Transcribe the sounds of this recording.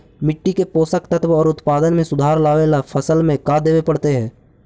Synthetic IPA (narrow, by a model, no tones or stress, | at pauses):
mɪʈːikepoːsəkt̪ət̪wɔːɾʊt̪paːd̪ənmẽsʊd̪ʱaːɾlaːʋeːlapʰəsəlmẽkad̪eːʋepɐɽt̪eɦɛ̃ː